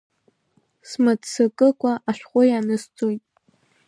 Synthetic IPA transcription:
smatsɨkʼɨkʷʼaʔaʃʷᶣχʷʊjanɨst͡sʼojtʼ

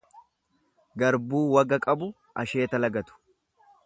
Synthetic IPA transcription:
ɡɐɾbuːwɐɡɐkʼɐbʊ | ʔɐʃe̞ːt̪ɐlɐɡɐt̪ʊ̥

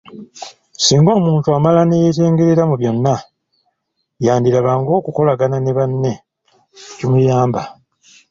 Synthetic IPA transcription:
siːŋɡo̞ːmuːntuamalanejeteːŋɡeɾiɾamuβjo̞nːa | jaːndiɾaβaːŋɡo̞ːkuko̞laɡananeβanːe̞ | cimujaːmba

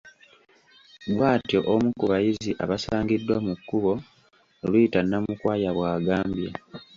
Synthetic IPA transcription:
ɡwaːtjoʔomukuβajiziʔa̰βasaːŋɡidːwamukːuβo̞ː | lujitanːamukwaːjaβwaːɡaːmbje

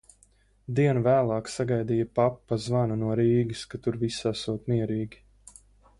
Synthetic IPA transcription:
d̪iɛnuvæːlˠɑːksaɡajd̪iːjɐpapːazvanunuɔɾiːɡʲiskat̪uɾvisasuɔt̪miɛɾiːɡʲi

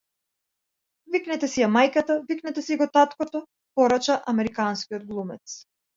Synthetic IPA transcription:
viknɛt̪ɛsijamajkat̪aviknɛt̪ɛsiɡɔt̪at̪kɔt̪ɔ | pɔɾat͡ʃaʔamɛɾikanskʲiɔd̪̚ɡlˠumɛt̪s

